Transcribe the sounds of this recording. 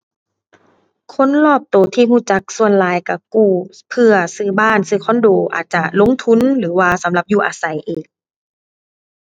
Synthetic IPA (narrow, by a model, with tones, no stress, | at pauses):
kʰo˧˥˨nlɔː˧˥˩p̚t̪oː˨˩t̪ʰiː˧huː˧˩˨t͡ɕa˧˦k̚su˧ənlaː˨˦jka˧˩kuː˧˩ | pʰɯ˧ɐsɯː˧˩baː˧˥˨nsɯː˧˩kʰɔː˧˥˨ndoː˨˩ʔa̰ː˨˩t̪̚t͡ɕa˧lo˧˥ŋt̪ʰu˧˥˨nlɯː˩˦waː˧sa˨˦mla˧p̚juː˧ʔaː˨˧˦sa˨˦jʔeː˨˩k̚